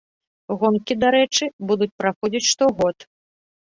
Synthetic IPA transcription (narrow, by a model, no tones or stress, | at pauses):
ɣɔnkʲid̪aɾɛt͡ʂɨbud̪ut͡sʲpɾaxɔd͡zʲit͡sʲʂt̪ɔɣɔt̪